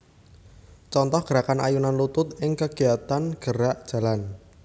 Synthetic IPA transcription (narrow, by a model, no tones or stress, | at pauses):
t͡ʃɔnt̪ɔhɡ̥əɾakana̰junanlut̪ʊt̪̚ɪŋkəɡ̥i̤at̪anɡ̥əɾaʔd̥ʒ̥a̤lan